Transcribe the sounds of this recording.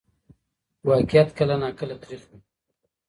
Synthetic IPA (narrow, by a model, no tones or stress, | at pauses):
waːkɪjat̪kəlanaːkəlat̪ɾiqmi